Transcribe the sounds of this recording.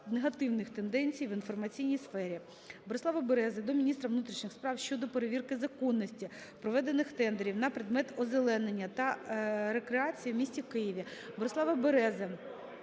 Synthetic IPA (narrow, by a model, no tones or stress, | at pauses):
neɦɐt̪ɪwnɪxt̪e̞nd̪ɛnʲt͡sʲijʋinfɔrmɐt͡sʲijnʲijsfɛɾʲi | bɔɾesˠɑʋɐbeɾɛzɛd̪ɔmʲinʲist̪ɾɐʋnut̪ɾʲiʃnɪxspɾɑwʃʲt͡ʃɔd̪ɔpeɾeʋʲirkɪzɐkɔnːɔsʲtʲi | pɾɔʋɛd̪enːɪxt̪ɛnd̪eɾʲiwnɐpɾɪd̪mɛt̪ɔzelˠɛnenʲːɐt̪ɐɾekɾeɑt͡sʲijimʲisʲtʲiwkɪjiʋʲibɔɾesˠɑʋɐbeɾɛzɛ